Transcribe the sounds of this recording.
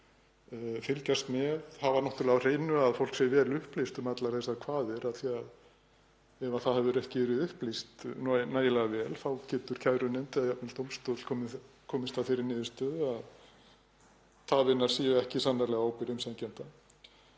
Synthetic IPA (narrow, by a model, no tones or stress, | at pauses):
fɪlcast̪mɛðhavanɔht̪ʏɾlɛar̥eːjnʏaðfowlksɛjvɛːɾlʏhplist̪ʏmat̪laɾθɛsakʰvaːðɪɾaðθiað | ɛvaθaðhɛvʏɾɛhcɪvɛːɾɪðʏhplist̪nɔnaːjɪlɛːɣavɛːlθawcɛːt̪ʏɾ̥cʰajðɾʏnɛnt̪ɪaðjapnɪlt̪owmst̪ɔt̪kʰɔːmɪ | kʰɔːmɪst̪ʰafɪːɾɪɾnɪːðɪst̪œðað | θʰaðvɪnːaɾ̥siːjʏɛhcɪsanːaɾlɛɣaaːwpɪɾʏmsɛðcɛnt̪a